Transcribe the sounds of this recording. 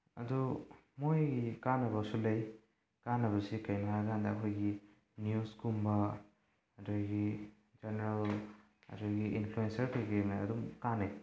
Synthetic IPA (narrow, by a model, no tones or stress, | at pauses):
ɐ̰dumojɡikanɐbasulɐj | kanːɐβɐsikɐjnaaɡandɐːkʰojɡi | njuskumbɐ | ɐdojɡi | d͡ʒaneɾal | ɐ̰dojɡiinpʰluensɐɾkejɡenaɐ̰dumkane